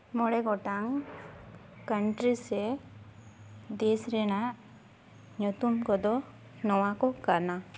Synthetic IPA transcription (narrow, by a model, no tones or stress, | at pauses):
mɔɽɛɡɔʈaŋ | kəɳʈɾisɛ | d̪ɛsɾɛnaʔ | ɲɔt̪umkɔd̪ɔ | nɔwakɔkana